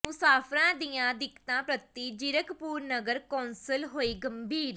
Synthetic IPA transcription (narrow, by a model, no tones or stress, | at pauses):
mʊsaːpʰɾãːd̪ijãːd̪ɪkːt̪ãːpɾət̪ːiːd͡ʒɪɾəkpuːɾnəɡəɾkɔ̃ːnsəlɦoːiːɡəmbʱiːɾ